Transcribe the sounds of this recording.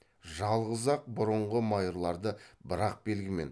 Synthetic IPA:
ʒɑlˠʁəzɑq̚bʊɾəɴʁəmɑjɾlˠɑɾd̪əbəɾɑq̚be̞lɡʲɪme̞̰n

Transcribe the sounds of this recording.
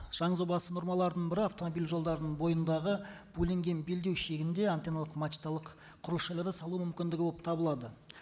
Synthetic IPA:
ʒ̥ɑɴəzobɑsəno̞ɾmɑlˠɑɾd̪əɴbɪɾɪɑft̪o̞mo̞bilʲʒo̞lˠd̪ɑɾənəɴbo̞jənd̪ɑʁəbɵlʲe̞ŋɡʲe̞nbe̞ld̪e̞wʃe̞ɡʲɪnd̪e̞ant̪enalˠəqmɑt͡ʃi̥t̪alˠəq | qʰːʊɾəʃɑjlˠɑɾd̪əsɑlˠuəmʏmkʲɪnd̪ɪɡʲɪboəp̚t̪ʰɑbəlˠɑd̪ə

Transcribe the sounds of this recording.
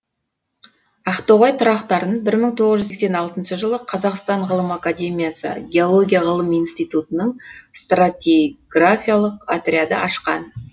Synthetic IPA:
ɑft̪o̞ʁojt̪ʰʊɾɑqt̪ɑɾənbɪɾməɴt̪ʰo̞ʁəzʒʏzskse̞nɑlˠt̪ənʃəʒəlˠəqʰɑzɑqst̪ɑɴʁəlˠəmakad̪ʲe̞mʲijasə̰ɡʲe̞o̞lˠo̞ɡʲijaʁəlˠəmijnst̪ijt̪ut̪ənəɴst̪rat̪ʲeɡrafʲijalˠəqat̪rʲead̪ə̰ʔɑʃqɑ̰n

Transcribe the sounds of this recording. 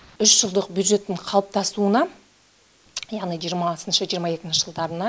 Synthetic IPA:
ʏʃʒ̥əlˠd̪əqbʲjud̪ʒe̞t̪ːɪɴqʰɑlˠəp̚t̪ʰɑst̪uənɑ | jɑʁnijʒijəɾmɑsənʃəʒijəɾmɑje̞kʲɪnʃɪʒ̥əlˠd̪ɑɾənɑ

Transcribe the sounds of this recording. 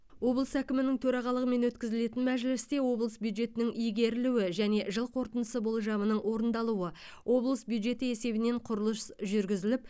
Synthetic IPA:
wo̞blˠəsækʲɪmɪnɪŋt̪ʰɵɾɑʁɑlˠəʁəme̞nwɵt̪kʲɪzɪle̞t̪ɪnmæʒɪlɪst̪e̞wo̞blˠəsbjud̪ʒe̞t̪ɪnɪŋʔijɡʲe̞ɾɪluwɪʒæne̞ʒəlˠqʰo̞ɾt̪ənəsəbo̞lˠʒɑmənəɴwo̞ɾənd̪ɑlˠuwə | wʔo̞blˠəsbjud̪ʒe̞t̪əe̞se̞bɪneɴqʰʊɾəlˠəsʒʏɾɡʲɪzɪlɪp̚

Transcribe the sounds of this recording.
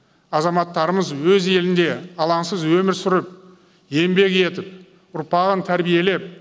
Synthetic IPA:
ɑzɑmɑt̪ːɑɾəməzwɵze̞lɪnd̪e̞ɑlˠɑnsəzwɵmɪɾsʏɾɪp̚ | je̞mbe̞kʲe̞t̪ɪp̚ | ʊɾpɑʁənt̪ʰæɾbije̞le̞p̚

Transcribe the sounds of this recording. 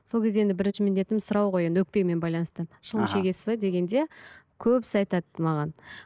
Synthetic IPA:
so̞lkʲʰezd̪eend̪ɪbɪɾɪnʃɪmɪnd̪e̞t̪ɪmsʊɾɑwʁo̞jend̪ɪwɵk̚pe̞ɡme̞nbɑjlˠɑnəst̪əʃəlˠəmʃe̞ɡʲe̞sɪ̥zbɑd̪e̞ɡʲe̞nd̪e̞kʲʰɵpsɑjt̪ɑd̪mɑʁɑn

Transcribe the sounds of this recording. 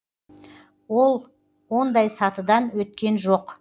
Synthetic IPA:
wo̞lˠ | wo̞nd̪ɑjsɑt̪əd̪ɑnwɵt̪̚kʲe̞nʒo̞q

